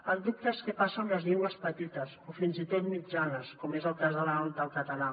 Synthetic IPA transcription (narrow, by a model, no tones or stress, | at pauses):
əlˠd̪up̚t̪əeskəpasəːmləzʎiŋɡwəspət̪it̪əsofinzit̪ot̪mid͡ʒanəskɔmezəlˠkazðələɔlt̪̚d̪əlˠkət̪əna